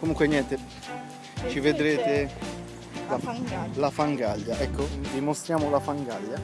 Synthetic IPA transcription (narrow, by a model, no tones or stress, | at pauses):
komuŋkweɲjɛnt̪e | t͡ʃived̪ɾeːt̪e | lalafaŋɡaʎːaʔɛkːod̪imost̪ɾjaːmolafaŋɡaʎːa